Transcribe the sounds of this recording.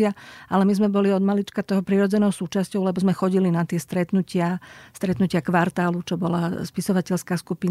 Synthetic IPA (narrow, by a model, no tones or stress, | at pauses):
aʔalɛmizmɛbɔliɔd̪malit͡ʃkat̪ɔɦɔpɾiɾɔd͡zɛnɔʊsuːt͡ʃascɔʊlɛbɔzmɛxɔɟilinat̪ɪɛst̪ɾɛt̪nucɪast̪ɾɛt̪nucɪakʋaɾt̪aːlut͡ʃɔbɔlaspisɔʋacɛʎskaskupin